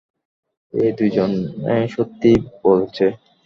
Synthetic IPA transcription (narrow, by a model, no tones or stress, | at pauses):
ed̪ujd͡ʑoneʃot̪ːibolt͡ɕʰe